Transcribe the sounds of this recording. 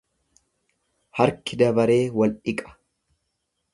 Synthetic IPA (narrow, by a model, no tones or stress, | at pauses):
hɐɾkɪd̪ɐbɐɾe̞ːwɐlʔɪkʼɐ̥